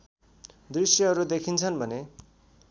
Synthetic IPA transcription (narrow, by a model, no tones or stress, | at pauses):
d̪risjʌʌɾud̪ekʰint͡sʰʌnbʱʌne